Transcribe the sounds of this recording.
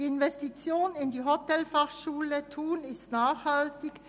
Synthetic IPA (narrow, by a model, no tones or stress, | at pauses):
iɪnvɛstit͡sjoːnɪndiːɦotɛlfaχʃuːlətʰuːnɪstnaːχhaltɪk